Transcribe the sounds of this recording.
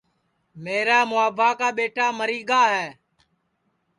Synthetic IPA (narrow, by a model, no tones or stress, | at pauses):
meːɾaːmʊaːbʱaːkaːɓeːʈaːməɾiːɡaːɦɛː